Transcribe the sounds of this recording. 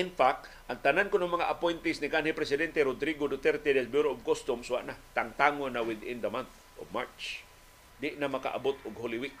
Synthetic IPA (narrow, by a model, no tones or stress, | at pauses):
ɪnfak̚t̪ | ʔaŋt̪anankʊnoŋmɐŋaʔapojnt̪ɪsnɪkanhipɾɛsɪd̪ɛnt̪eɾʊd̪ɾiɡod̪ʊt̪ɛɾt̪ed̪ɛlbuɾoovkost̪ʊmsuwa̰ʔnat̪aŋt̪aŋonːawɪd̪ɪnd̪ɐmanθ | ʔo̰vmaɹt͡ʃ | d̪ɪʔnamaka̰ʔa̰bot̪ʊɡholiwik̚